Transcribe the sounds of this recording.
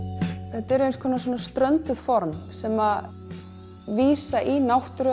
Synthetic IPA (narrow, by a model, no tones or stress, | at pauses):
ɛt̪ɛɾʏenskʰɔːnasɔːnast̪ɾœnt̪ʏð̥fɔɾmsɛma | viːsaʔinawht̪ʏɾʏ